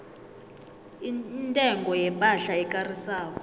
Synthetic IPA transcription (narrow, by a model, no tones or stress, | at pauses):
intʼɛŋɡɔjɛpʼaɬaɛkʼarisaːkɔ